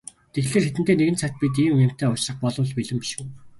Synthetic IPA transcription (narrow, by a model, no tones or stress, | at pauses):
t̪ʰexɮeːrxet̪ɘ̆nt̪eːneɣɘ̆nt͡sʰæt̪̚pʲit̪̬iːmem̥t̪eːʊt͡ɕrə̆χpɔɮʊ̆ːɮpiɮɘ̆mpi̥ʃɘ̆w